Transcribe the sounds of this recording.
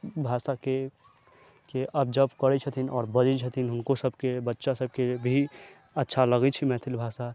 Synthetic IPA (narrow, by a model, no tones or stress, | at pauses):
bʱaːsake | keʔəb̚d͡ʒəbkəɾɛt͡ʃʰət̪ʰinɔːɾbəd͡ʒit͡ʃʰət̪ʰinɦʊnkosəbʱkebətːʃasəb̚kebʱi | ətːʃʰaləɡɛt͡ʃʰimɛ̃t̪ʰilbʱasa